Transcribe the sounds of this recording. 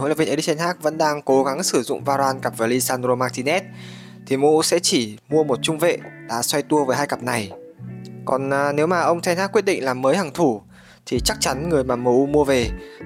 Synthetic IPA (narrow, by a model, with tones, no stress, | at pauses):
o̰˧˥˦lːvʔi˧t̪ɛ˧nhɦaː˦˥k̚və̰˧˥nɗaː˧ŋko˨˦ɣa˨˦ŋsɨ˧˩zʊ̰˧˨ŋ͡mvaː˧zwaː˧nka˨˩p̚vəː˨˩li˧saː˧ndɾo˧maː˧k̚t̪i˧nɛ˦˥t̚ | t̪ʰi˨˩mṵ˧˥sɛ̰˧˥t͡ɕi˧˩mu˧əmo˨˩t̚t͡ɕʊ˧ŋ͡mvḛ˧˨ɗa̰ː˧˥swa˧jt̪u˧əvəː˨˦jɦaː˧jka˨˩p̚na˨˩j | kɔ˨˩nː˨˩ne˨˦wmaː˨˩ʔə˧wŋ͡mt̪ʰɛ˧nha˦˥kwi˦˥ət̚ɗḭ˧˨ŋ̟laː˨˩mːəː˨˦jha˨˩ŋt̪ʰu˧˩ | t̪ʰi˨˩t͡ɕa˦˥k̚t͡ɕa˨˦nŋɨ˨˩əjmaː˨˩mṵ˧˥mu˧əve˨˩